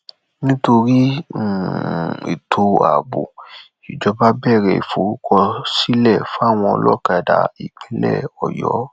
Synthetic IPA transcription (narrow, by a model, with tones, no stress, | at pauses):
nĩ˦to˧ɾi˦˨ | ḭ˨tʰo˧a̰˨bo̰˨ | i˨d͡ʒɔ˧ba˦bɛ˦˨ɾɛ˧˨ḭ˨fo˨˦ɾu˦kʰɔ˧si˦lɛ˦˨fa˦˨w̃ɔ̃˧ɔ̰˧lɔ˦ka˧˨da̰˨ḭ˨k͡pĩ˨˦lɛ̰˦˨ɔ˨jɔ˨˦